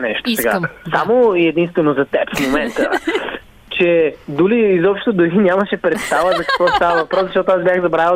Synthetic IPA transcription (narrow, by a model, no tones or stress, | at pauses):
nɛʃt̪osɛɡa̰samoiɛd̪inst̪vɛnozɐt̪ɛpfmomɛnt̪ə̰ | t͡ʃɛd̪uliːzɔpʃt̪t̪ʊd̪ʊɾinʲjaməʃɛpɾɛt̪st̪avəzɐkɐ̥kvɔst̪avəvɐfpɾɔsɐʃt̪ɔt̪oazbʲjaxzɐbɾavɛ